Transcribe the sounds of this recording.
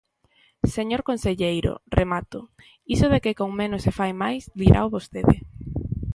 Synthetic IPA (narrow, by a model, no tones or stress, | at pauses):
seɲoɾkonseʎejɾo̰rʔemat̪ʊ | isʊðekekoŋmẽnʊsefajmajsliɾʔa̰wβost̪eðɪ̰